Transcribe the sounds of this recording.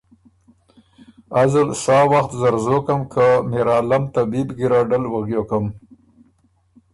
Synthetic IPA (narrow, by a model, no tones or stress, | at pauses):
azalsɑːwaxt̪zaɾzokəmkʰameɾɑːlamt̪abibɡiɾɑɖəlwaɣjokəm